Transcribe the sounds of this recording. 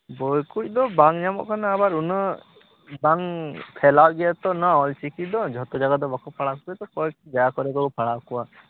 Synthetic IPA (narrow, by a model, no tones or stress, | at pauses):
bɔjkuc̚ˀd̪ɔbaŋɲamɔ̰ʔkʰanaabaɾunɔ | baŋpʰɛlawɡɛɛt̪ɔnaɔlt͡ʃikid̪ɔd͡ʒʱɔt̪ɔd͡ʒaɡad̪ɔbakɔpʰaɽakuɛt̪ɔkɔkd͡ʒajakɔɾɛɡɔkɔpʰaɽakuwa